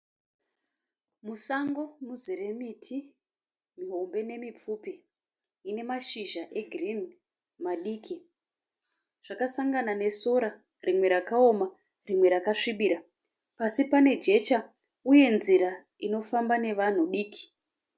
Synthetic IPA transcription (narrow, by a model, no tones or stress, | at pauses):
musaŋɡo̞muziɾe̞mitʰi | miɦo̞mbe̞ne̞mip͡fuːpi | ine̞maʃiʒaʔe̞ɡʱirim | maɗiːki | ʐ̥akasaŋɡanane̞so̞ɾa | rimwe̞ɾakaoma | rimwe̞ɾakaʂiɓiɾa | pasipane̞d͡ʒe̞t͡ʃa | uje̞nziɾa | ino̞fambane̞ʋan̤uɗiːkʰi̥